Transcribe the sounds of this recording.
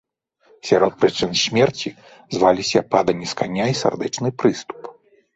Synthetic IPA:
sʲaɾɔt̪̚pɾɨt͡ʂɨnsʲmʲɛrt͡sʲi | zvalʲisʲɐpad̪ɐnʲiskanʲːaisa̰rd̪ɛt͡ʂnɨpɾɨst̪u̥p

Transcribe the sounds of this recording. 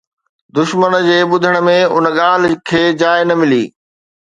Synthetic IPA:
d̪ʊʃmənd͡ʑeːɓʊd̪ʱəɽ̃̆mẽʊ̰nəɠaːl̤kʰeːd͡ʑaːɪnɐmɪlḭː

